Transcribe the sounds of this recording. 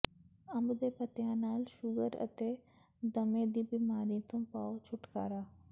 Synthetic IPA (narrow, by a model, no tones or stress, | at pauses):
ɐmbd̪eːpɐt̪jãːnaːlʃʊɡəɾɐ̰t̪e | d̪ɐmẽːd̪ibiːmaːɾĩt̪ũpaːot͡ʃʰʊʈkaːɾaː